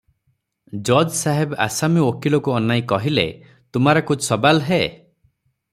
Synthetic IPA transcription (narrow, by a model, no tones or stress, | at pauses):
d͡ʒɔdsaɦeba̰samiokilɔkuɔnajkɔɦilḛ | t̪umaɾɔkut͡ʃsɔbalɦe